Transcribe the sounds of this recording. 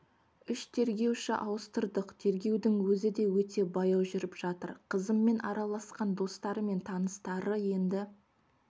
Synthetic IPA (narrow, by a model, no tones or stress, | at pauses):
ʏʃt̪ʰe̞ɾɡʲe̞wʃɪʔɑwəst̪əɾd̪əqt̪ʰe̞ɾɡʲe̞wd̪ɪŋwɵzɪd̪e̞wɵt̪e̞bɑjɑwʒʏɾɪpʒ̥ɑt̪ə̰ɾqʰəzəmːe̞nʔɑ̰ɾɑlˠɑsqɑnd̪o̞st̪ɑɾəme̞nt̪ʰɑnəst̪ɑɾəje̞nd̪ɪ